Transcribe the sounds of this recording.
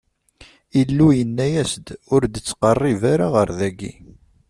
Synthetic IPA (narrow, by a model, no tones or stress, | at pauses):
ilːujənːæjæsd̪ʊɾd̪ət͡sːqɑrˤːivaɾaʁəɾðæɡːḭ